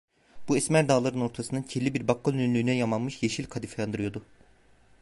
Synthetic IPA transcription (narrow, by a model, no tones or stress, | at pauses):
b̥uɛsmæɾd̪aːlˠaɾɯno̞ɾt̪ʰasɯnd̪ɯncʰelʲːibiɾbakʰːalʲynynlʲyːnɛjamanmɯʃjeʃilʲkʰad̪ifajand̪ɯɾɯjo̞d̪ʊ